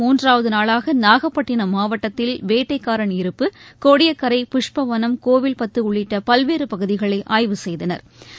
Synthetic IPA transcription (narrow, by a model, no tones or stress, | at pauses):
uːndraːʋɐðɯnaːɭaːɣɐnaːɣɐpːɐʈːɪnɐmaːʋɐʈːɐt̪ːɪlʋeːʈːɐɪkːaːɾɐɳɪɾɯpːɯkoːɽɪjɐkːɐɾɐɪpɪʂpɐʋɐnɐmkoːʋɪlpɐt̪ːɯʊɭːɪʈːɐpɐlʋeːɾɯpɐɣɯðɪɣɐɭɐɪʔaːjʋɯsɛjðɐnɐ̰ɾ